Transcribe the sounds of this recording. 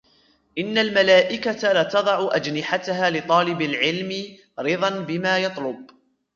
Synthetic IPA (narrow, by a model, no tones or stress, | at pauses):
ʔɪnːalmalaːʔɪkat̪alaːt̪ɑd̪ˤɑʕʊʔad͡ʒnɪħat̪ahaːlɪɨt̪ˤɑːlɪbalʕɪlmɪ | ɾɪðˤɑnbɪmaːjɑt̪ˤlʊb̚